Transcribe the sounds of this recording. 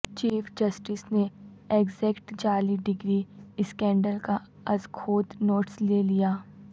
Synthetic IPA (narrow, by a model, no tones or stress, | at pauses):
t͡ʃiːfd͡ʒɐsʈɪsne | eɡzɛːkʈd͡ʒaːliɖɪɡɾiɪskɛ̃ːɳɖəlka | ɐzkʰoːd̪noːʈslelijaː